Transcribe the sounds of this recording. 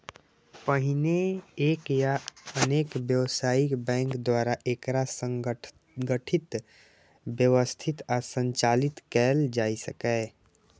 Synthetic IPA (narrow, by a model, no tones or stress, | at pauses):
pəɦineeːkjaəneːkbjəwsaːikbɛ̃ːŋkd̪waɾaʔekɾasəŋ | ɡəʈʰit̪ | bjəwəst̪ʰit̪asə̃nt͡ʃalit̪kɛːld͡ʒaːisəkɛ